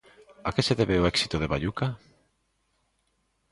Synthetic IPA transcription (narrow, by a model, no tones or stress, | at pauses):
akeseðeβeoɛksi̥t̪oðeβa̰ʎuka